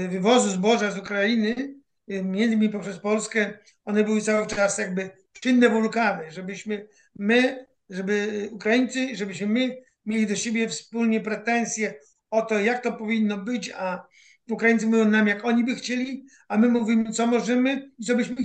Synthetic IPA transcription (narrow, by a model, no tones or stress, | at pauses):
vɘvɔzuzbɔʐazukɾajinɘ | mʲjɛndzmʲipɔpʂɛspɔlskɛ | ɔnɛbɘwɘt̪sawɘt͡ʂasjaɡ̚bɘ | pʂinːɛvɔlukaɾɛʐɛbɘɕmɘ | mɪ | ʐɛbɘukɾajint̪sɨʐɛbɘɕmɘmɘ | mʲjelʲid̪ɔɕebʲjɛfspulɲɛpɾɛt̪ɛnsʲjɛ | ɔt̪ɔjak̚t̪ɔpɔvʲinːɔbɘt͡ɕa | ukɾajint̪sɨmujɔ̃w̃namjakɔɲibɘxt͡ɕelʲi | amɘmuvʲimɘt̪sɔmɔʐɛmɘit̪ɔbɘɕmɘ